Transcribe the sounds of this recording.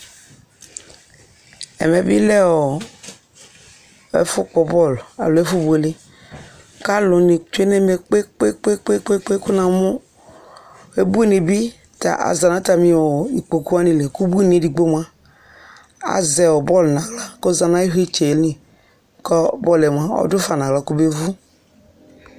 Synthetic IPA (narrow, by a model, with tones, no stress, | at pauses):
ɛ̰˨mɛ˨bḭ˦lɛ˦ɔ˨ | ɛ̰˨fʊ˦kɔ˨bɔ˦˨la̰˨lo˨ɛ˦fu˦bu˨e˨li˦ | ka˦lʊ˨ni˨t͡ʃu˦e˦ne˦me˨k͡pe˦k͡pe˦k͡pe˦k͡pe˦k͡pe˦k͡pe˦ku˦na˨mu˦ | e˦bu˦i˦ne˨bi˦ | ta̰˨ʔa̰˨za˨na˦ta˨mĩ˨wɔ˨i˨k͡po˨ku˦a˦nĩ˨le˨ku˦bu˦i˦ne˨˦di˨ɡ͡bo˦m˦a˦ | a̰˨zɛ˨wɔ˨bɔ˦lnã˨ɡla˦kɔ˦za˨na˦i˦ɦe˦t͡ʃe˨lĩ˨ | kɔ˦bɔ˦lɛ˨m˨a˦ɔ̰˦dʊ˦fa˨nã˨la˨˦˨ku˦be˦vu˦